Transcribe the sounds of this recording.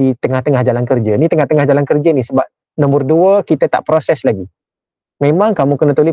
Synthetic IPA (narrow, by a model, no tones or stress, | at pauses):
it̪əŋaht̪əŋahd͡ʒalankərd͡ʒənit̪əŋaht̪əŋahd͡ʒalankərd͡ʒənisəbap̚ | nɔ̃mbərduəkit̪ət̪a̰ʔpɾosɛslaɡi | mẽmãŋkamukənət̪uli